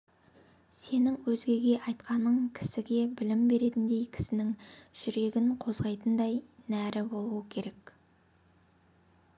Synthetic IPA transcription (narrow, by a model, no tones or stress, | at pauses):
se̞nɪŋwɵzɡʲe̞ɡʲe̞ʔɑjt̪̚qɑnəɴkʲʰɪ̥sɪɡʲe̞bɪlɪmbe̞ɾe̞t̪ɪnd̪e̞jkʲʰɪ̥sɪnɪŋʒ̥ʏɾe̞ɡʲɪŋqʰo̞zʁɑjt̪ənd̪ɑjnæɾɪbo̞lˠuəkʲʰe̞ɾe̞k